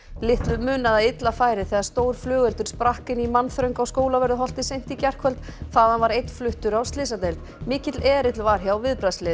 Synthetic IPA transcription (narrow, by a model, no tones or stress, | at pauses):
lɪht̪lʏmʏːnaðaɪt̪lafaːjɾɪθɛːɣðaɾ̥st̪oːwɾ̥flʏːɣɛlt̪ʏɾ̥spɾahkɪnimanθɾœɥjŋkawskoːwlavɛɾðʏɦɔl̥t̪ɪsejn̥t̪icɛr̥kʰvœlt̪θaðanvaɾejt̪n̥flʏht̪ʏɾawst̪lɪs̬at̪ejlt̪ | mɪːcɪt̪lɛːɾɪt̪lvaɾ̥çawvɪðpɾaslɪ